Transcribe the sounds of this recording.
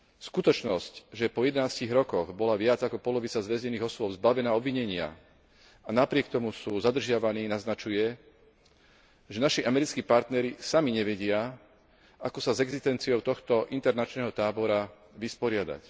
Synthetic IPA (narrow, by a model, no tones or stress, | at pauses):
skut̪ɔt͡ʃnɔscʒɛpɔjɛd̪ɛnaːsciɣɾɔkɔɣbɔlaʋɪad͡zakɔpɔlɔʋit͡sazʋɛzɲɛniːɣɔsʊɔbzbaʋɛnaːɔbʋiɲɛɲɪa̰ | anapɾɪɛk̚t̪ɔmusuːzad̪r̩ʒɪaʋaniːnaznat͡ʃujɛ | ʒɛnaʃiʔamɛɾit͡skiːpaɾt̪nɛɾisamiɲɛʋɛɟɪa | akɔsazɛɡzist̪ɛnt͡siɔʊt̪ɔxt̪ɔʔint̪ɛɾnat͡ʃnɛːɦɔt̪aːbɔɾa | ʋispɔɾɪad̪a̰c